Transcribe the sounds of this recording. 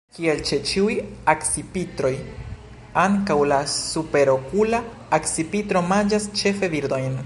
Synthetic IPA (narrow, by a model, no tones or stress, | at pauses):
kie̞lt͡ʃe̞t͡ʃiujaksipitɾo̞j | aŋkawlasupe̞ɾo̞kulaː | ksipitɾo̞mand͡ʒast͡ʃe̞fe̞viɾdo̞jn